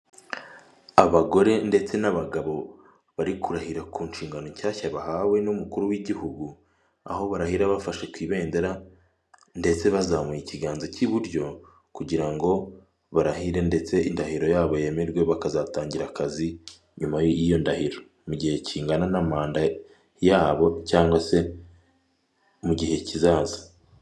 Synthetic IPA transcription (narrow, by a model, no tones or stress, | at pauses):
aβaɡo̞ɾe̞nde̞t͡se̞naβaɡaβo̞ | βaɾikʰuɾahiɾakuːnʃiːŋɡanoɲcaːçaβahawe̞numukuɾuwiɟihuɡu | a̰ho̞βaɾahiɾaβafaʃe̞kwiːβe̞ːnde̞ɾa | nde̞t͡se̞βazamujiciɡaːnzociβuɾjo̞ | kuɟiɾaŋɡo̞ | βaɾaɦiɾe̞nde̞t͡se̞indahiɾo̞jaːβo̞je̞me̞ɾɡwe̞βakazataːɲɟiɾakazi | ɲumajoijo̞ndahiɾo̞ | muɟihe̞ciːŋɡananamaːnda | jaːβo̞caːŋɡwase̞ | muɟihe̞cizaːza